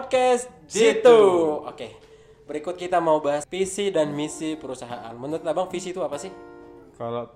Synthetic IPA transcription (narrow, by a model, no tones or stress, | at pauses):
pd̚kɛst̪̚d͡ʒit̪uo̰ke | bəɾikʊt̪̚kit̪amaubaɦafisidanmisipəɾusaɦaʔa̰nmənt̪abaŋfisit̪uapasɪhkalo